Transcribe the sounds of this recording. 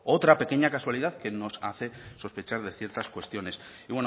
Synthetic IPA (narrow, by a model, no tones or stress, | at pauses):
o̞t̪ɾape̞ke̞ɲakaswaliðaðke̞no̞sa̰θe̞so̞spe̞t͡ʃaɾðe̞θje̞ɾt̪askwe̞st̪jo̞ne̞s | iβwe̞n